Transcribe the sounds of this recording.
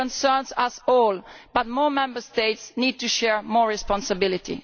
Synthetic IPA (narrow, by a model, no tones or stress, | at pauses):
ɔ̃nsɜɹnzasɔlb̥at̪̚mɔːɹmɛ̃mbəɹst̪eɪtsniːd̪̚t̪uʃɛɹmɔːɹɹispɔ̃nsabɪlit̪ḭ